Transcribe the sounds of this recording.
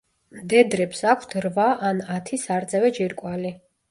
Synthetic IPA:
md̪ɛd̪ɾɛpsakʷʰt̪ʰɾvaʔanat̪ʰisaɾt̪zʼɛvɛd͡ʒiɾkʼwali

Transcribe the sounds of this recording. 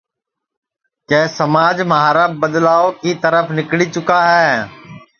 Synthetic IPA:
kɛːsəmaːd͡ʒməɦaːɾəb̚bəd̪laːokit̪əɾəfnɪklit͡ʃʊkaɦɛː

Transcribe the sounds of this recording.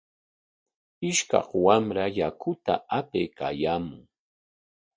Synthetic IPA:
ɪʃkɑ̰χwamɾajakʊt̪a̰apejka̰jaːmʊŋ

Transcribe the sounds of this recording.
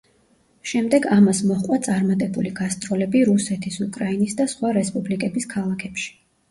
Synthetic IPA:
ʃɛmd̪ɛɡamasmɔχqʼwat̪sʼaɾmat̪ʼɛbuliɡast̪ʼɾɔlɛbiɾusɛt̪ʰisukʼɾainisd̪asχwaɾɛspʼublikʼɛbiskʰalˠakʰɛpʃi̥

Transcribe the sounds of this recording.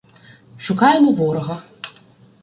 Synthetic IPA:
ʃʊkɑjemɔʋɔɾɔɦɐ

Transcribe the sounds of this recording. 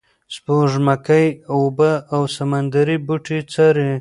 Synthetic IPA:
spoʒmakajobəawsamand̪aɾibuʈit͡saɾe

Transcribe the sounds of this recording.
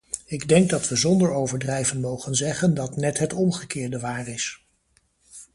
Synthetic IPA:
ɪɡdɛŋɡ̚dɑtʋəzɔndəɹowvəɹdrɛjvənmowχənzɛχəndɑtnɛtɦətɔmχəkɪːɹdəʋaːrɪs

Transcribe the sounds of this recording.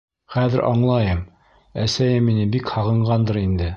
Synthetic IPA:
χæðɘ̰ɾʔɑ̰ɴlˠɑjɤm | æsæjɘmːinɘbikhɑʁɤ̆ɴʁɑnd̪ɤɾind̪ɘ

